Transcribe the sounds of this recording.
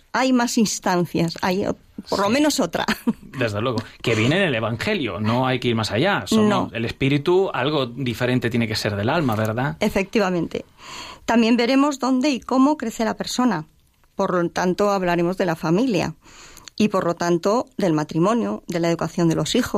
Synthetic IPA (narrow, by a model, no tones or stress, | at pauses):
ajmasinst̪an̟θjasa̰jo̰ | po̞ɾlo̞mẽ̞no̞so̞t̪ɾa̰d̪e̞zðe̞lwe̞ɣoke̞βjenenele̞βaŋxe̞ljo̰no̞ajkeiɾmasaʝasomnoe̞le̞spiɾit̪ua̰lɣo̞d̪ife̞ɾe̞nt̪et̪je̞ne̞ke̞se̞ɾð̞e̞lalmaβe̞ɾðae̞fe̞k̚t̪iβamẽ̞nt̪e̞̰t̪ambje̞mbe̞ɾe̞mo̞zðo̞nd̪e̞iko̞mo̞kɾe̞θe̞lape̞ɾso̞na | po̞ɾt̪ant̪o̞aβ̞laɾe̞mo̞zðelafamilja̰ipo̞ɾlo̞t̪ant̪o̞ðe̞lmat̪ɾimõ̞njoðe̞laeðukaθjo̞nd̪e̞lo̞sixo